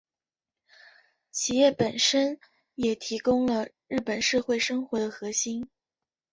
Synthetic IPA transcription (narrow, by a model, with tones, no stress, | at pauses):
t͡ɕʰi˨˩jɛ˥˩pə˨˩nʂə˥n | jɛ˨˩t̪ʰi˧˥kʊ˥ŋlə˨ɻɻ̩˥˩pə˨˩nʂɤ˥˧xwe˥˩ɪʂɤ˥ŋxwɔ˧˥d̪ə˧xɤ˧˥ɕi˥n